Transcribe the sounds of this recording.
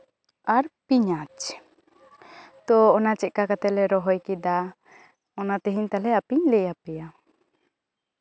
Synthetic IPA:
aɾpiɲat͡ʃ | t̪ɔɔnat͡ʃɛʔ̚kakat̪ɛlɛɾɔɦɔjkid̪a | ɔnat̪ɛɦiɲt̪alɛapiɲlɛjapɛja

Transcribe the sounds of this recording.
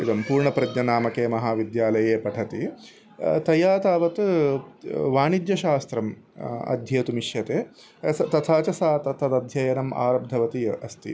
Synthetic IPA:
id̪ɐmpuːɾɳɐpɾɐd̪nɐnaːmɐkeːmɐɦaːʋid̪jaːlɐjeːpɐʈʰɐt̪i | t̪ɐjaːt̪aːʋɐt̪ | ʋaːɳid̪jɐʃaːst̪ɾɐm | ɐ̰d̪ʱjɐːt̪umiʃjɐt̪eː | ɐt̪ɐt̪ʰaːt͡ʃɐsaːt̪ɐt̪ʰɐt̪ɐd̪ʱjɐjɐnɐma̰ːɾɐb̚d̪ʱɐʋɐt̪iɐst̪ḭ

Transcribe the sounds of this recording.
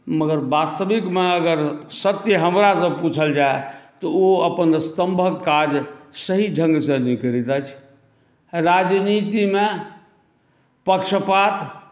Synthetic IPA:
məɡəɾbast̪əbikmeəɡəɾsət̪jəɦəmɾasə̃put͡ʃʰəld͡ʒaet̪ɔoəpənst̪əmbʱəkkːad͡ʒsəɦiɖʱə̃ŋɡsə̃nikəɾit̪at͡ʃʰ | ɾad͡ʒnit̪ime | pəkʃəpat̪

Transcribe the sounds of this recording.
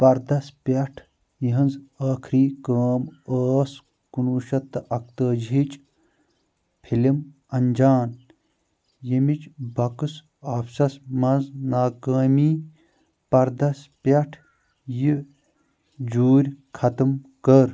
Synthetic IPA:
pɐɾd̪ɐspʲɐʈʰ | jiɦɐnzaːkʰɾiːkəːməːs | kunuːʃɐt̪ːʔɐk̚t̪əːd͡ʒʱit͡ʃ | pʰilim | ɐnd͡ʒaːn | jimit͡ʃbɐkɨs | aːpsɐsmɐnznaːkəːmiː | pɐɾd̪ɐspʲɐʈʰ | ji | d͡ʒuːɾʲkʰɐt̪ɨmkəɾ

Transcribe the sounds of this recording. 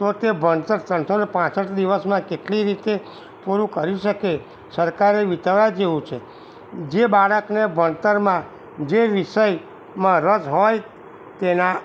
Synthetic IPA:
t̪ot̪ebənt̪əɾt̪ə̃nsonepãt͡ʃsəʈd̪iʋəsmãkeʈliɾit̪e | puɾũkəɾiʃəke | səɾkaɾeʋit̪əʋad͡ʒeʋũt͡ʃʰe | d͡ʒebaɭəknebənt̪əɾmã | d͡ʒeʋiʃəj | mãɾəd͡ʒɦoj | t̪ena

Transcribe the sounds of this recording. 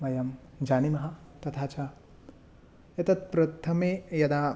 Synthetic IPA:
mɐjɐm | d͡ʒaːnimɐɦɐt̪ɐt̪ʰaːt͡ʃa | et̪ɐt̪̚pɾɐt̪ʰɐmejɐd̪a

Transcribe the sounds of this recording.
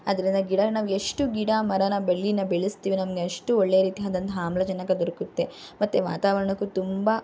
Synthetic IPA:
ɐd̪ɐɾind̪ɐɡiɽɐnaːʋueʂʈuɡiɽaːmɐɾɐnɐbeɭːinːɐbeɭist̪iːʋinɐmɐɡeɐʂʈuoɭːejɐɾiːt̪iaːd̪ɐnt̪ɐɦaːmlɐd͡ʒɐnːɐkːɐd̪ɐɾukut̪ːe̞ | mɐt̪ːeʋa̰ːt̪aːʋɐɾɐɳɐkːut̪umba

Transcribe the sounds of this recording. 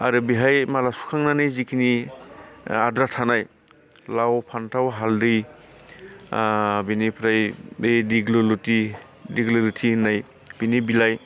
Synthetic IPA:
aɾɯbiɦajmalasu̥kʰaŋnanɯjzikʰini | adɾatʰanaj | lawpʰantʰawɦaldɯj | binipʰɾajbejdiɡluluti | diɡlɯlutʰinaj | b̥inibilaj

